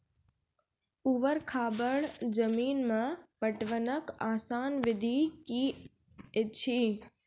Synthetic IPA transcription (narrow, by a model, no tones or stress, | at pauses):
uʋəɾkʰaːbəɭd͡ʒəmiːnmãpəʈʋənəkaːsaːnʋɪd̪ʱiki | ɪt͡ʃʰiː